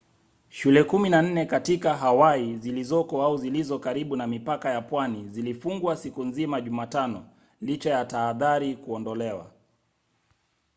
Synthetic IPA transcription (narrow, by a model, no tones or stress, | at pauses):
ʃulɛkuminan̩nɛkatikaɦawaizilizɔkɔauzilizɔkaɾiɓunamipakajapwanizilifuŋɡwasikunzimaʄumaːtanɔ | lit͡ʃajataːðaɾikuɔndɔlɛwa̰